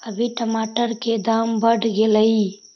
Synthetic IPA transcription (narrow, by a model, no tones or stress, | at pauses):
əbʱiʈəmaːʈəɾked̪aːmbəɖʱɡeləi